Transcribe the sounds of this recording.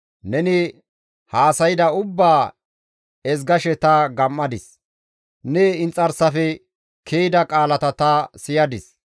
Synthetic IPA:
nɛnɪ | haːsɐjɪd̪ɐʊbːaː | ɛs̬ɡɐʃɛt̪ɐɡɐmːɐd̪ɪs | nɛɪnt͡sʼːɐɾsɐfɛ | kʰeːjd̪ɐkʼaːlɐt̪ɐt̪ɐsɪjɐd̪ɪs

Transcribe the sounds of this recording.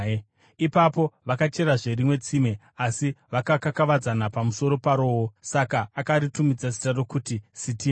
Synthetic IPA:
ipapo̞ʋakat͡ʃe̞ɾaʐe̞rimwe̞t͡sime̞ | asiʋakakakaʋad͡zanapamuso̞ɾo̞paɾo̞ːwosakaːkaɾitumid͡zas̬i̥taro̞kutisitiː

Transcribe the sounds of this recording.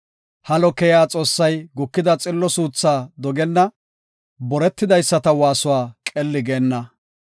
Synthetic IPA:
hɐlɔkɛjaːt͡sʼo̞ːsːɐjɡʊkːɪd̪ɐt͡sʼɪlːɔsuːt͡sːaːd̪ɔɡɛnːɐ | bɔɾɛt̪ːɪd̪ɐjsːɐt̪ɐwaːsʊwaːkʼɛlːɪɡeːnːɐ

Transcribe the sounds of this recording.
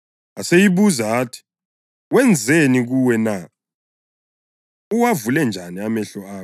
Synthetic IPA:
asejiβuzaaːtʰi̥ | wɛnd͡zʱeniɣuwɛna | uwavulɛnd͡ʒʱaniamɛɬɔaːkɔ

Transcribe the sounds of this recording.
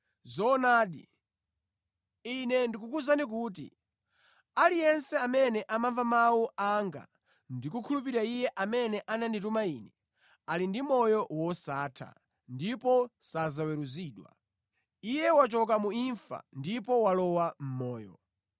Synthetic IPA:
zɔnaːɗḭ | inɛndik̬ukuzanik̬uːt̬ḭ | alijɛnsɛamɛnɛʔamaɱvamawuaŋɡa̰ | ndikukʰulup̬iɾaijɛʔamɛnɛʔananditumaiːnɛ | alindimɔjɔwɔsaːtʰa̰ | ndipɔsazawɛɾuziːɗwa̰ | ijɛwat͡ʃɔk̬amuiɱfa̰ndipɔwalɔwam̩mɔːjɔ̰

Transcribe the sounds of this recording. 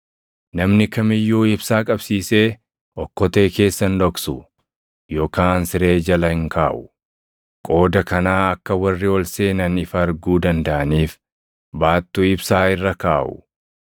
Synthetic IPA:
nɐmnɪkɐmɪjːuːɪbsaːkʼɐbsiːse̞ː | ʔɔkːɔt̪e̞ːke̞ːsːɐnlɔksʊ | jo̞ːkaːnsɪɾe̞ːd͡ʒɐlɐhɪŋkaːʔʊ | kʼo̞ːd̪ɐkɐnaːɐkːɐwɐrːɪɔlseːnɐnɪfɐːɾɡuːd̪ɐnd̪ɐʔɐniːf | baːt̪ːuɪbsaːɪrːɐkaːʔʊ̰

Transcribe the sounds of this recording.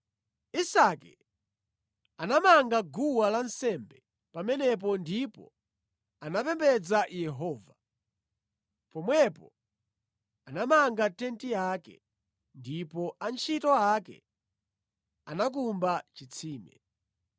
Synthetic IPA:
isakɛ | anamaŋɡaɡuwalansɛmbɛ | pamɛnɛp̬ɔndipɔ̰ | anapɛmbɛd͡zajɛɦɔːva | pɔmwɛpɔ | anamaŋɡatɛntijakɛ̰ | ndipɔant͡ʃʰitɔakɛ̰ | anak̬umbat͡ʃit͡sʰiːmɛ̰

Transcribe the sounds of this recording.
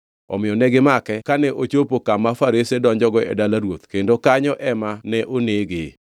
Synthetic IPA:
ɔ̰mɪjɔnɛɡɪmakɛkanɛʔot͡ʃopokamːafaɾɪsedɔɲd͡ʒɔɡɔɛ̰dalaɾwot̪kendokaɲɔʔɛmanɛʔoneɡɪ

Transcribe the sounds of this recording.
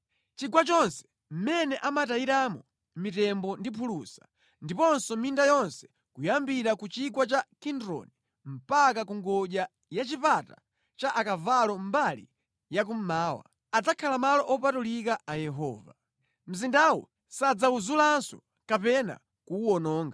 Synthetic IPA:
t͡ʃiɡwat͡ʃɔnsɛ̥ | m̩mɛnɛʔamataiɾamɔ | mitɛmbɔndipʰulusḁ | ndipɔnsɔmindajɔnsɛ̥ | kujambiɾakut͡ʃiɡwat͡ʃakindɾɔ̰ni | m̩pakakuŋɡɔʄa | jat͡ʃipata̰ | t͡ʃaʔakavalɔm̩balḭ | jak̬um̩maːwa̰ | ad͡zakʰalamalɔʔɔpatulikaʔajɛɦɔ̰ːva̰ | m̩zindawɔ̰ | sad͡zauzulansɔ | kapɛna̰ | kuwɔnɔːŋɡa

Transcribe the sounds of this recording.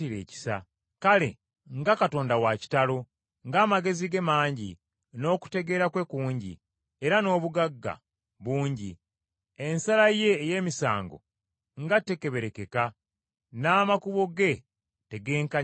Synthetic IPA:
iɾe̞ːci̥sa̰ | kale̞̰ | ŋɡakato̞ːndawaci̥talo̞ | ŋɡaːmaɡe̞ziɡe̞maːɲɟḭ | no̞ːku̥te̞ɡe̞ːɾakwe̞kuːɲɟḭ | eɾano̞ːβuɡaɡːa̰ | βuːɲɟi | ensalaje̞ːje̞ːmisa̰ːŋɡo̞̰ | ŋɡatːe̞ke̞βe̞ɾe̞ke̞ka | naːmakuβo̞ɡe̞ | te̞ɡe̞ːŋka

